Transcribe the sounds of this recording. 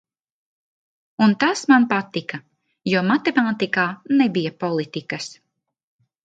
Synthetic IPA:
unt̪asmanpat̪ikɐ | juɔmat̪emaːt̪ikaːnɛbijapɔlˠit̪ikɐs

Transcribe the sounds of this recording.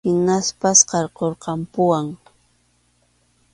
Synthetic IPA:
ɪnaspasqɑɾqoɾqɑmpʊwaŋ

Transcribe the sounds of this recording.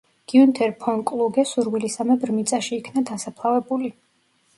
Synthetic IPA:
ɡ̥iunt̪ʰɛɾpʰɔnkʼlˠuɡɛsuɾvilisamɛbɾmit̪sʼaʃiːkʰnad̪asapʰlˠavɛbuli

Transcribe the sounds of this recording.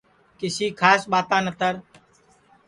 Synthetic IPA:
kɪsiːkʰaːsɓaːt̪ãːnət̪əɾ

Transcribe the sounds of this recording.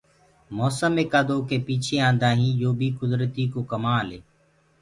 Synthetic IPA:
moːsəmeːkaːd̪oːkeːpiːt͡ʃʰeːãːnd̪aːɦĩːjoːbʱiːkʊd̪ɾət̪iːkoːkəmãːleː

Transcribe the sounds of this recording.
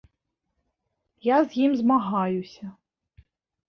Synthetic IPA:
jazʲjimzmaɦɑjʊsʲɐ

